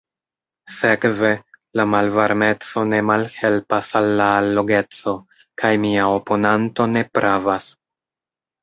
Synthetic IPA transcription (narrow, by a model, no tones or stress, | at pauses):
se̞kve̞lamalvaɾme̞t͡so̞ne̞malhe̞lpasalːaːlːo̞ɡe̞t͡so̞ | kʰajmiaopo̞nanto̞ne̞pɾʔavas